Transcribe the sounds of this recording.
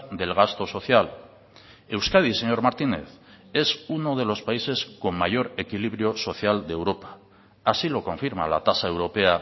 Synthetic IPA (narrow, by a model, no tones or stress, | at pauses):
d̪e̞lɣ̞ast̪o̞so̞θjal | e̞wskaðise̞ɲo̞ɾmaɾt̪ine̞̰θ | e̞suno̞ð̞e̞lo̞spaise̞sko̞mːaʝo̞ɾe̞kiliβ̞ɾjo̞so̞θjald̪ewɾo̞pḁː | silo̞ko̞ɱfiɾma̰la̰t̪asae̞wɾope̞a